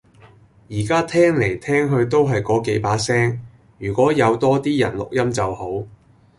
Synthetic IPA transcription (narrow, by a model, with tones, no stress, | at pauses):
jiː˨˩kaː˥t̪ʰɛː˥ŋle˨˩jt̪ʰɛː˥ŋɦɵ˧ɥt̪o˥wɦɐ˨jkɔː˨˥ke˨˥jpaː˨˥sɛː˥ŋ | jyː˨˩kʷɔː˨˥jɐ˨˧wt̪ɔː˥t̪iː˥jɐ̰˨˩nlʊ̰˨k̚jɐ˥mt͡sɐ˨who˨˥w